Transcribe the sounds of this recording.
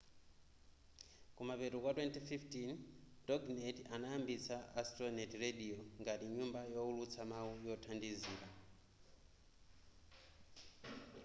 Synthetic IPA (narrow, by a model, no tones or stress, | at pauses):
kumapɛtukwatwɛntififtindɔɡnɛtanaːmbit͡saʔastɾɔnɛtrediɔŋɡatiɲumbajɔulut͡sʰamawujɔtʰandiziːɾa